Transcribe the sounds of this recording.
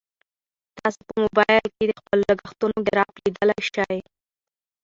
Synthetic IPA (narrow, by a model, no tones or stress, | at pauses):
t̪ɑsopəmobɑjlked̪əxpəlləɡaxt̪unoɡ̪əɾɑplid̪əlajʃaj